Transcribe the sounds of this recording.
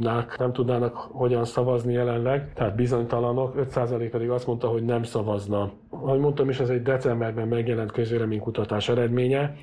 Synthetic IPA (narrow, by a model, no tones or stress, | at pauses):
naːknɛmt̪ud̪naːnɒkho̞ɟɒnsɒvɒznijɛlɛnlɛɡt̪ɛɦaːt̪̚bizo̞ɲt̪ɒlɒno̞kø̞t̪saːzɒleːk̚pɛd̪iɡɒst̪mo̞nt̪ɒɦo̞ɟnɛmsɒvɒznɒ | ɒɦoɟmo̞nt̪ɒmiʃɛzɛɟd̪ɛt̪sɛmbɛrbɛmːɛɡjɛlɛnt̪kø̞zveːlɛmeːŋkut̪ɒt̪aːʃɛɾɛd̪meːɲɛ